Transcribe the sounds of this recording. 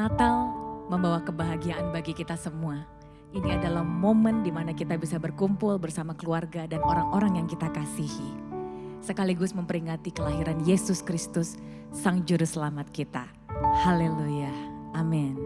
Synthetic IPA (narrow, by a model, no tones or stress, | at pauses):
nat̪alməmbawakəbaɦaɡiaʔanbaɡikit̪asəmua | ʔiniadalahmoməndimanakit̪abisabərkumpʊlbərsamakəluarɡadanoɾaŋoɾaŋjaŋkit̪akasihi | səkaliɡʊsməmpəɾiŋat̪ikəlaɦiɾanjesʊskɾist̪ʊsː | aŋd͡ʒuɾʊsəlamat̪̚kit̪a | halelujaːmɪn